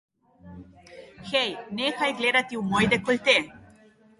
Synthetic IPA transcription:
xejnexajɡled̪at̪iumojd̪ekolʲt̪e

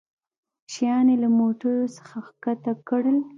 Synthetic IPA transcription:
ʃijɑnelamoʈəɾosə̥xaxkat̪akɽəl

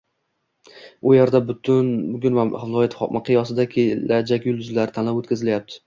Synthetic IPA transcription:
ʊjeɾd̪abʊnʊɡʲʊnvahɪlˠɒjat̪mʔaqʰɨjɒsɪd̪akʲʰelad͡ʒakʲjʊlˠd̪ʊzlaɾɪt̪ʰanlawot̪kʲɪzɪlajap̚t̪ʰɪ̥

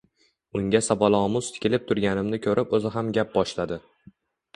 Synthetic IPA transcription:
ʊŋɡʲasabɒlˠɒmʊz̥t̪ʰɪ̥kʲʰɪlɪp̚t̪ʰʊɾɡʲanɪmnɪkʲʰɵɾʔɪpɵzɪɦamɡʲap̚bɒʃlad̪ɪ

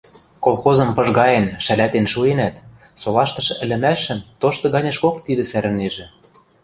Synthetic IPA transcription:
kolˠxozɤ̆mpɤ̆ʒɣɑjenʃælæt̪enʃuenæt̪ | solɑʃt̪ɤ̆ʃɤ̆ʔɘ̆lɘ̆mæʃɘ̆mt̪oʃt̪ɤ̆ɣɑnʲɤ̆ʃkokt̪id̪ɘ̆sæɾɘ̆neʒĕ

